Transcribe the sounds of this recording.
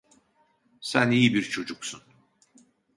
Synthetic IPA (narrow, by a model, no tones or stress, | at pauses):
sænijibiɾt͡ʃʰo̞d͡ʒuksun